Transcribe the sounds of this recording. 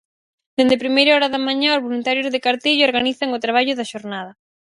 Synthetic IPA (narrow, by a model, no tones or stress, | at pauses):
d̪end̪epɾimejɾaɔɾɐðɐmãɲãozβolunt̪aɾjozðekaɾt̪iʎʊoɾɣaniθɐŋʊt̪ɾaβ̞aʎʊðaʃoɾnað̞ɐ